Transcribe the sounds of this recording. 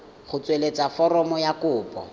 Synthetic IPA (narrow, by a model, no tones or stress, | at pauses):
χʊt͡sʼwelet͡sʼafɔrɔmɔjakʊːpʼɔ̰